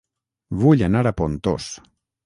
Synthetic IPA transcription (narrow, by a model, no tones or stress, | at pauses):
βuʎanaɾapont̪o̰s